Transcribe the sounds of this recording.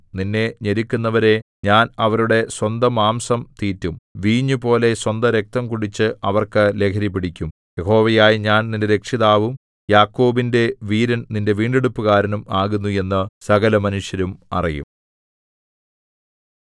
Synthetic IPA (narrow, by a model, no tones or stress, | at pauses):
ninːe̞ɲeɾikʲːunːɐʋɐɾe̞ | ɲaːnɐʋɐɾuɽe̞swɐnd̪ɐmaːmsɐmt̪iːtːumʋiːɲːupo̞ːle̞swɐnd̪ɐɾe̞k̚t̪ɐmkuɽit͡ɕːɨʔɐʋɐrkɨle̞ːkʰɐɾipːiɽikʲːum | je̞ɦo̞ːʋɐjaːjiɲaːnnindeɾe̞kʂiðaːʋum | jaːkːo̞ːbinde̞ʋiːɾɐnninde̞ʋiːɳɖeɽupːuɣaːɾɐnumaːɣunːuje̞nːɨsɐɣɐlɐmɐnuʂjɐɾumɐ̰rijṵm